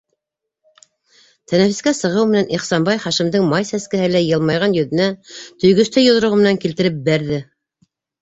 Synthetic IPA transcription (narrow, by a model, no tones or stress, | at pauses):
t̪ʰænæfiskæsɤ̆ʁɤwmɘ̆nænʔiχsɑmbɑjχɑʃĭmd̪ɤŋmɑjsæskɘ̆hɘlæjɤ̆lˠmɑjʁɑnjɵ̆ðɘ̆næt̪ɵ̆jɡɵ̆st̪ɘjŏðɤ̆ɾɤʁmɘ̆næŋkilt̪ɘ̆ɾɘp̚bæɾðɘ